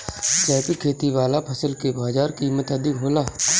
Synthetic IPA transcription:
d͡ʒɛːpikʰeːt̪iʋaːlapʰɐsəlkebaːd͡ʒaːɾkiːmət̪əd̪ɪkɦoːlaː

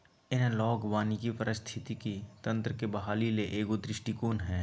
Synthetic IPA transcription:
ɪnlɔːɡʋaːnikipəɾɪst̪ʰɪt̪ikit̪ɐ̃nt̪ɾəkebɐɦaːlileʔeːɡod̪ɾɪʃʈikoːnɦɛ̃ː

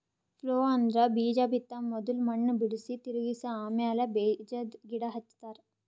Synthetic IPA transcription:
floːaːnd̪ɾabiːd͡ʒaːbʱit̪ːamːɔd̪ulmɐɳːəbiɽsit̪iɾɡisaaːmjaːlɐbeːd͡ʒɐd̪ɡiɽaɦɐt̪ːt̪aːɾ

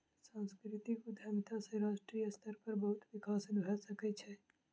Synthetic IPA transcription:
sãnskɾɪt̪ikɪd̪ʱamit̪ʰasẽɾaːʃʈɾijəst̪ʰəɾpəɾbɐɦʊt̪ʋɪkaːsd̪bʱəsəkɛt͡ʃʰɛ

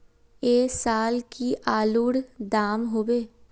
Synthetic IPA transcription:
eːsaːlkiʔaːluːɽd̪aːmɦoːbeː

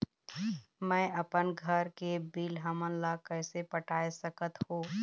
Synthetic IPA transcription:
mɛ̃ːɐpənɡʱəɾkebiːlɦəmənlakɛːsepəʈaːesəkət̪hõː

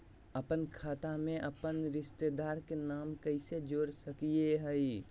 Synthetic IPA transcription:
əpənkʰaːt̪amẽʔɐpənɾɪʃt̪ed̪aːɾkenaːmkəɪsed͡ʒoːɾsəkieɦəi

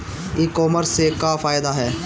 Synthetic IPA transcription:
iːkɔːməɾsːekafaːɪd̪aɦɛː

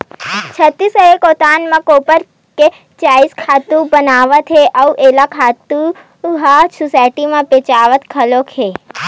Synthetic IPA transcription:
t͡ʃʰət̪ːisəɾekot̪anmãkopəɾ | ke | t͡ʃaiskʰat̪ubənaʋət̪ʰɦeʔəuʔelakʰat̪u | ɦasusajʈimãpet͡ʃaʋət̪kʰəlokʰe

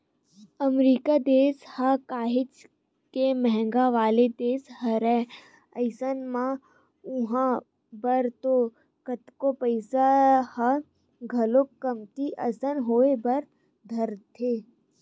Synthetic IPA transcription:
əmɾiːkad̪eːshakaːɦɪt͡ʃ | kemɛɦɛ̃ŋɡaʋaːled̪eːsɦɐɾɛ | əɪsənmã | ʊɦã | bəɾt̪o | kət̪kopəɪsahə | ɡʱɐlokəmkiʔəsənɦoːebɐɾ | d̪ʱəɾt̪ʰeː

